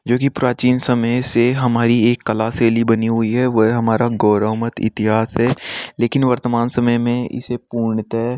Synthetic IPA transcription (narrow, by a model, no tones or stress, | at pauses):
d͡ʒoːkipɾaːt͡ʃiːnsɐməjseɦɐmaːɾieːkːɐlaːseːlibɐniɦʊiɦɛʋɐɦɦɐmaːɾaɡɔːɾəːmət̪ɪ̰t̪ɪɦaːsɦɛleːkɪnʋɐɾt̪əmaːnsɐməjmẽɪ̰sepuːɾɳɪt̪ɦɛ